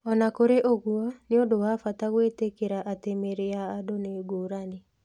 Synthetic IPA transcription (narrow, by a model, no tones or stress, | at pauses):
ɔnakoɾeʔoɣwɔneondowafataɣwetekeɾaʔatemeɾeaːdoneːɡoːɾane